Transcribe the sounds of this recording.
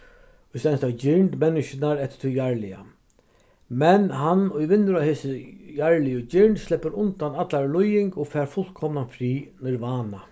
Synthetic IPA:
ʊjst̪ɛnst̪ad͡ʒɪɹɳd̪mɛnːɪʃɪnaɾɛt̪ɪ̥t̪ʰujaɹlɪa̰ | mɛnɦanʊjʋɪnːɪɾaheːsɪjaɹlɪjʊd͡ʒɪɹɳd̪slɪpːəɾʊnt̪anat̪laɾlʊjɪŋkɔːfæːɾfʊl̥kkʰɔmnafɾiːnɪɾʋaːna

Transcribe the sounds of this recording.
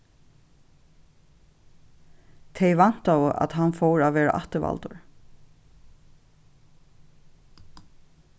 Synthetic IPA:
t̪ʰejʋan̥t̪awəʔa̰t̪ɦanfɔwɹaːvʋɛːɹa̰ʔaht̪əʋa̰lt̪ʊɹ

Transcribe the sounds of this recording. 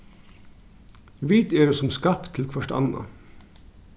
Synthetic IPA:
ʋiːt̪eːɖesɔmskɑpt̪ʰːl̩kʰʋɑʃʈɑ̰nɑ̰

